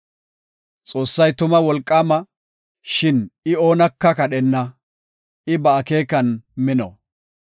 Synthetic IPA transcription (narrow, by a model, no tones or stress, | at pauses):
t͡sʼo̞ːsːɐjt̪ʊmɐwɔlkʼːaːmɐ | ʃɪnɪo̞ːnɐkːɐkɐɗɛnːɐ | ʔɪbɐːke̞ːkːɐnmɪnɔ